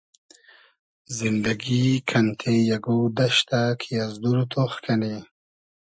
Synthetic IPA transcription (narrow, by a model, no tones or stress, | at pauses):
zind̪aɡikʰant̪ʰejaɡod̪aʃt̪akʰijazd̪uɾut̪ʰoxkʰane